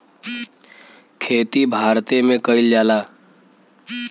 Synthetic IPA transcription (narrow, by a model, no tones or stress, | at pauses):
kʰeːt̪ibʱaːɾt̪emẽkəɪld͡ʒaːlaː